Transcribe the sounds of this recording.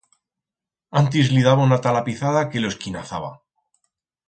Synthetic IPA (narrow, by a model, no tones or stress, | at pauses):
ant̪̬izliðaβanat̪alapiθaðake̞loe̞skina̰θaβa̰